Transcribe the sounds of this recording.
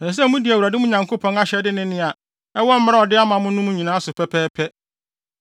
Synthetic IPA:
nɛ̃˨s̬ɛ˦mũ˦di˨æ˨u˨ɾa˨dɪ˦mʊ̃˦ɲã˨ŋkʰo˦pʰɔ̃˦ŋa˦ɕɛ˨dɪ˦nɪ̃˦nɪ̃˦a˨ | ɛ˦wɔ˦m̩˦m˦a˦ɔ˨dɪ˦a˦mã˨mʊ̃˦nʊ̃˦m̃˦ɲĩ˨nãː˦sʊ˨pʰɛ˦pʰɛː˦pʰɛ˦

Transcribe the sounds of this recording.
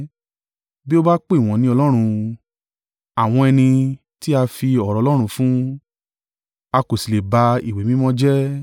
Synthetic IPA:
bi˦o˦ba˦k͡pe˦i˨w̃ɔ̃˨nĩ˧˦ɔ˧lɔ˦ɾ̃ũ˧ | a˨w̃ɔ̃˧ɛ˧nĩ˧ | ti˦a˧fi˧ɔ˨ɾɔ˨˧lɔ˦ɾ̃ũ˧fũ˦ | a˧ko˨si˨le˨ba˧i˨we˨˦mĩ˦mɔ̃˦d͡ʒɛ˦

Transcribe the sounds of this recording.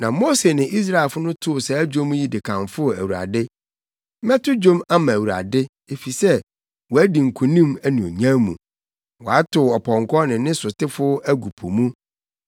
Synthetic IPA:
nã˨mo˦se˨nɪ̃˨ʔi˦s̬ɾa˦˨e˨lfʊ˦nʊ̃˦tʰʊ˦ʊ˨sɛ˨˦d͡ʑõ˦m˦ji˦dɪ˨kʰã˨nfʊ˦˨æ˨wu˨ɾa̰˨dɪ˦ | mɛ̃˦tʰʊ˦d͡ʑõ˦ma˦mã˨wu˨ɾa̰˨dɪ˦ | e˨fi˨sɛ˦ | wɔ˨æ˦di˨ŋ̩˨kʰu˨nĩ˦mæ˦nũ˨o̰˨ɲã˦mṵ̃˨ | wɔ˨a˦tʰʊ˨ɔ˨pʰɔ̃˨ŋkʰɔ˦nɪ̃˨nɪ̃˦sʊ˨tʰɪ˦fʊ˦æ˦ɡu˨pʰo̰˨mũ˦

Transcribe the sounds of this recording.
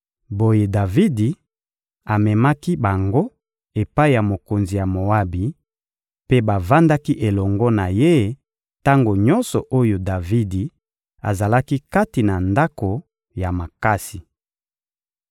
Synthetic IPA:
bo˦je˨da˨vi˦di˨ | a˨mɛ˨ma˦ki˦ba˨ŋɡo˦ | e˨pa˦i˨ja˨mo˨ko˨nzi˨ja˨mo˨a˦bi˨ | pe˦ba˨va˦nda˦ki˦ʔe˨lɔ˨ŋɡɔ˦na˨je˦ | ta˦ŋɡo˨ɲɔ˦nsɔ˨ʔo˦jo˨da˨vi˦di˨ | a̰˨za˨la˦ki˦ka˦ti˨na˨nda˦ko˨ | ja˨ma˨ka˦si˨

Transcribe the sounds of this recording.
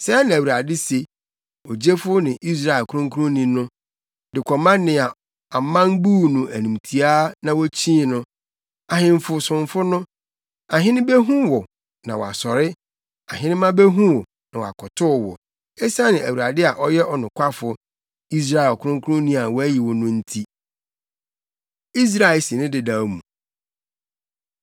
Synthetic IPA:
sɛ˦nɪ̃˨æ˨wu˨ɾa˨dɪ˦se˨ | o˨d͡ʑe˦fʊ˦nɪ̃˨ʔi˦s̬ɾa˦ɛ˨lkʰʊ˦ɾʊ̃˦ŋkʰu˦ɾʊ̃˦nĩ˦nʊ̃˦ | dɪ˨kʰɔ˨mã˦nɪ̃˨a˨ | a˨mã˦nbuː˦nʊ̃˨ʔæ˨nũ˨mtʰi˨a˦nã˨wɔ˦t͡ɕʰĩ˦˨nʊ̃˦ | a˨hɪ̃˨m˨fʊ˨sʊ̃˨ɱ˦fʊ˦nʊ̃˦ | a˨ɦɪ̃˦nɪ̃˦be˦ɦũ˦wɔ˨ | nã˨wɔ˨a˨sɔ˨ɾɪ˦ | a˨ɦɪ̃˦nɪ̃˦mã˦be˦ɦũ˦wɔ˨ | nã˨wɔ˨a̰˨kʰɔ˨tʰʊ˦˨wɔ̰˨ | e˦sa˦nɪ̃˨æ˨wu˨ɾa˨dɪ˦a˨ʔɔ˦jɛ˦ʔɔ˨nʊ̃˨kʷʰa˦fʊ˨ | i˦s̬ɾa˦˨e˨lɔ˨kʰʊ˦ɾʊ̃˦ŋ˦kʰʊ˦ʊ̃˦nĩ˦a˨wɔ˨˦æ˦ji˨wɔ˨nʊ̃˦n̩˦tʰi˦ | i˦s̬ɾa˦˨ɪ˨si˨nɪ̃˦dɪ˨da˨˦mũ˨

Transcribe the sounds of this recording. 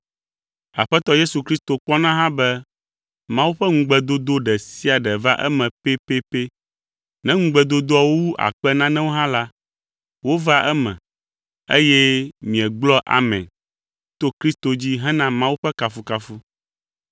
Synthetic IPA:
a˨ɸɛ˦t̪ɔ˦je˦su˨kɾi˦st̪o˨k͡pɔ˦nã˦ɦã˦bɛ˦ | mã˦wu˦ɸɛ˦ŋ̩̃˦ɡ͡bɛ˨d̪o˦d̪o˦ɖɛ˨si˦a˨ɖɛ˨va˦ʔɛ̰˦mɛ̃˨pe˦pe˦pe˦ | nɛ̃˦ŋ̩̃˦ɡ͡bɛ˨d̪o˦d̪o˦ɔ˦wwu˦ʔa̰˨k͡pɛ˦nã˦nɛ̃˦wo˦ɦã˦la˦ | wo˦va˦ʔɛ˦mɛ̰̃˨ | ḛ˦jɛ˦mĩ˨ɛ˨ɡ͡blɔ˦ʔa̰˨mɛ̃˨n | t̪o˦kɾi˦st̪o˨d͡ʑi˦ɦɛ̃˦nã˦mã˦wu˦ɸɛ˦ka˨fu˦ka˨fu˦

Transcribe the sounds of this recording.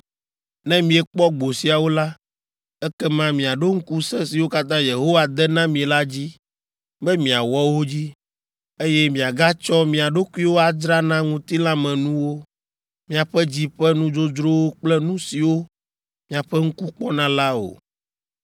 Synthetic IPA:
nɛ̃˦mĩ˨ɛ˨k͡pɔ˦ɡ͡bo˨si˨a˨wo˦la˦ | ɛ˦kɛ˦mã˦mĩ˨a˨ɖo˦ŋ̩˦ku˦sɛ̃˦si˨wo˦ka˦t̪ã˦je˨ɦo˦wa˨d̪ɛ˦nã˦mĩ˨e˨la˦d͡ʑi˦ | bɛ˦mĩ˨a˨wɔ˦wo˦d͡ʑi˦ | e˦jɛ˦mĩ˨a˨ɡa˦t͡ʃɔ˦mĩ˨a˨ɖo˦ku˦i˦wo˦a˨d͡ʒɾa˦nã˦ŋũ˨t̪i˦lã˦mɛ̃˨nũ˦wo˦ | mĩ˨a˨ɸɛ˦d͡ʑi˦ɸɛ˦nũ˦d͡ʒo˦d͡ʒɾo˦wo˦k͡plɛ˦nũ˦si˨wo˦ | mĩ˨a˨ɸɛ˦ŋ̩˦ku˦k͡pɔ˦nã˦la˦o̰˨

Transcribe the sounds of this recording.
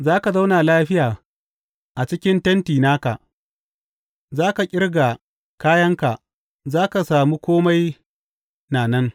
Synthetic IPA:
zaː˦ka˨za˦wna˨laː˦ɸɪ˦jaː˨ | ʔa˨t͡ʃɪ˦kʲɪ˦ntɐ˦ntiː˨naː˦ka̰˨ʔ | zaː˦ka˨kʲʼɪ˦rɡa˨ | kaː˦jɐ˦ŋka˨ʔ | zaː˦ka˨saː˨muː˦kʷoː˦ma˦j | naː˨nɐ˦ŋ

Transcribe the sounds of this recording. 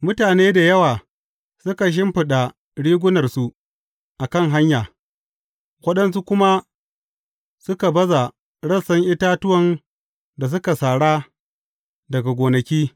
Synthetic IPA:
mʊ˦taː˨neː˦da˨jɐ˦waː˨ | sʊ˦ka˨ʃ̬ɪ˦mɸɪ˨ɗa˨ | ɽiː˦ɡʷʊ˦nɐ˨rsu˨ | ʔa˨kɐ˦˨ŋɦa˦ɲjaː˨ | wɐ˦ɗɐ˦nsu˦kʷʊ˦ma˦ | sʊ˦ka˨bɐ˦za˨ | ɽɐ˦˨sɐ˦ŋʔɪ˦taː˦tʊ˦wɐ˨n | da˨s̬ʊ˦ka˨saː˨ɽaː˦ | dɐ˨ɡa˨ɡʷoː˨nɐ˨kʲiː˦

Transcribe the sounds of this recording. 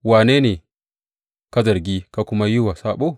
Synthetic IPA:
waː˨ne˦ne˨ | ka˦zɐ˨ɾɡʲi˦ka˦kʊ˦ma˦ju˦wa˨sa˦ɓo˦

